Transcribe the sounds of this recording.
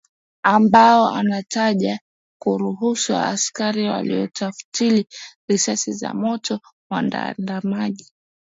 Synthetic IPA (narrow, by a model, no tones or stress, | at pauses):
ambaɔʔa̰nataʄa | kuɾuɦusuwaa̰ːskaɾiwa̰lḭɔtafu̥tiliɾisasiza̰mɔtʰɔmwa̰nda̰ndamaʄi